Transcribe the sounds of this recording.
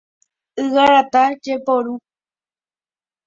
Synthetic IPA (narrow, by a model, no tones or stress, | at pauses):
ɨwaɾat̪ad͡ʒepoɾu